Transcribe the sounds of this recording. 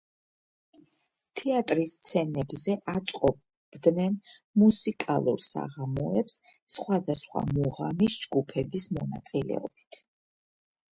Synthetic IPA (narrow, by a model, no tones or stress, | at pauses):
t̪ʰɛat̪ʼɾist̪sʰɛnɛbzɛʔat̪sʼqʼɔ | bd̪nɛnmusikʼalˠṵɾsa̰ʁamɔɛps | sχwad̪asχwa̰muʁamisd͡ʒɡupʰɛbismɔna̰t̪sʼilɛ̰ɔb̥it̪ʰ